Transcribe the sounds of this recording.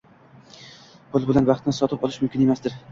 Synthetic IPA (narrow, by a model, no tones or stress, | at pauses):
pʰʊlˠbɪlanvɑχt̪ʰɪnɪsɒt̪ʰɪpɒlˠɪʃmʊmkʲɪne̞masd̪ɪɾ